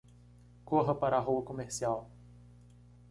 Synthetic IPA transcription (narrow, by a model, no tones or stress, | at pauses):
koɦɐpaɾaɦuɐkomeɾsiaw